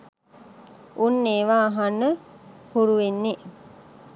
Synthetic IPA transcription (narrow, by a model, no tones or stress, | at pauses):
ʔunːeːʋaːɦanːəhuɾuʋenːe